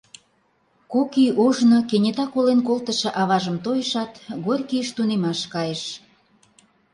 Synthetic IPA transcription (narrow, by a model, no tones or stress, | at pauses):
kokiʔoʒnokenʲet̪ɑkolenkolt̪ə̆ʃĕʔɑβɑʒə̆mt̪ojəʃɑt̪ɣorʲkiəʃt̪unemɑʃkɑjəʃ